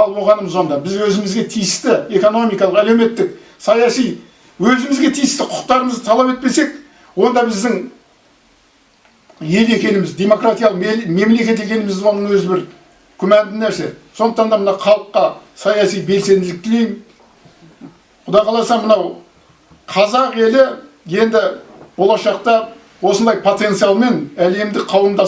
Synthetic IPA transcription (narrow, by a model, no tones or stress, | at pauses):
ɑlˠwo̞ʁɑnəməzond̪ɑbɪzwɵzɪmɪzɡʲe̞t̪ʰijɪst̪ɪe̞ko̞no̞mijkɑlˠəqælewme̞t̪ːɪk̚ | sɑjɑsij | wɵzɪmɪzɡʲe̞t̪ʰijɪst̪ɪqʰʊ̥q̚t̪ɑɾəməzd̪ət̪ʰɑlˠɑpe̞t̪̚pe̞se̞k | wo̞nd̪ɑbɪzd̪ɪŋ | je̞le̞kʲe̞nɪmɪzd̪e̞mo̞kɾat̪ijɑlˠəqme̞mle̞kʲe̞t̪e̞kʲe̞nɪmɪzɪwo̞nəŋwɵzɪbɪɾ | kʲʰʏmænd̪ɪnæɾse̞so̞nəq̚t̪ɑnd̪ɑmənɑqʰɑlˠəqːɑsɑjɑsijbe̞lse̞nd̪ɪlɪk̚k̪ʲʰɪlejm | qʰʊd̪ɑjqʰɑlˠɑsɑmənɑw | qʰɑzɑqe̞lɪ | je̞nd̪ɪb̥o̞lˠɑʃɑq̚t̪ɑ | wo̞sənd̪ɑjpʰo̞t̪e̞nt̪sɨjɑlˠme̞næle̞md̪ɪkqʰɑlˠəmd̪ɑ